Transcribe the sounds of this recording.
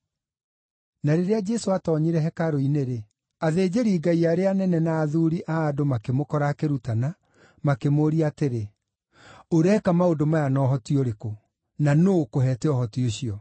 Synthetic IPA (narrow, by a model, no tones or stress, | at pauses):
naɾeɾead͡ʒɛsoatɔɲeɾɛɦɛkaɾoineɾe | aðeːd͡ʒeɾiːɡaiaɾeanɛnɛnaːðuɾiʔaːdomakemokɔɾakeɾutana | makemoɾiateɾe | oɾɛkamaodomajanɔɦɔtioɾeko | nanokoɦɛːtɛɔɦɔtioɕiɔ